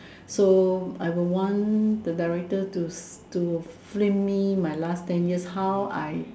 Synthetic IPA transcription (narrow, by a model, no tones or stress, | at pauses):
soajwilwɔ̃ndədaɪɹɛk̚tətutuflẽmːimajlastɛ̃njishawa̰j